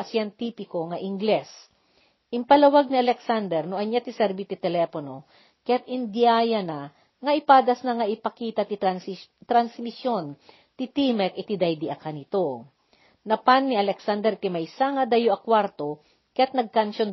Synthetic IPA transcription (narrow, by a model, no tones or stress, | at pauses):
ɐsjɛnt̪iːpɪko̞ŋɐʔɪŋɡlɛs | ʔɪmpɐlɐwaɡ̚nɪɐlɛksand̪ɛɾnʊʔɐɲjat̪ɪsɛɾbit̪ɪt̪ɛlɛpono | kɐjat̪̚ʔɪnd̪ɪajɐna | ŋɐʔɪpaːd̪ɐsnɐŋɐʔɪpɐkiːt̪ɐt̪ɪt̪ɾɐnsmɪsjo̞n | t̪ɪt̪imɛkɪt̪id̪ajd̪iʔɐkanɪt̪o | nɐpanːɪʔɐlɛksand̪ɛɾt̪ɪmɐjsaŋɐd̪ajoʔɐkwaɾt̪o̞ | kɐjat̪̚nɐɡ̚kanʃon